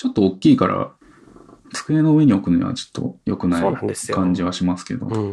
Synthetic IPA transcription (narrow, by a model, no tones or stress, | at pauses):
t͡ɕo̞t̪ːo̞okʲːiːkaɾa̰ | t͡sɨ̥kɯ̟e̞no̞ɯ̟e̞ɲ̟io̞kɯ̟noɲḭβa̰t͡ɕo̥t̪ʰːo̞̰jo̞kɯ̟naikãɲ̟d͡ʑiβ̞aɕimasɨ̥ke̞d̪o̞̰